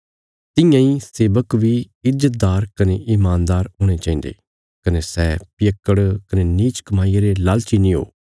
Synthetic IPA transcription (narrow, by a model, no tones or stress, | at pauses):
t̪ɪ̃jãːiseːbəkʋi | ɪd͡ʒət̪̚d̪aːɾkɐneʔɪmaːnd̪aːɾɦoːɽ̃et͡ʃãːĩnd̪ḛː | kɐnesɛːpɪjəkːəɽkɐneniːt͡ʃkɐmaːijaɾelaːlt͡ʃinĩɦo̰ː